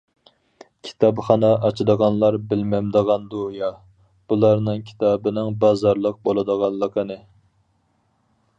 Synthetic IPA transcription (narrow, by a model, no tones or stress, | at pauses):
kʲʰi̥t̪ʰɑpχɑnɑʔɑt͡ʃʰid̪əʁɑnlˠɑɾbɪlmɛmd̪əʁɑnd̪ujɑ | b̥ulˠɑɾnɨŋkʲʰi̥t̪ʰɑbɨnɪŋbɑzɑɾlˠəq̚bolˠɨd̪əʁɑllˠːəqʰənɨ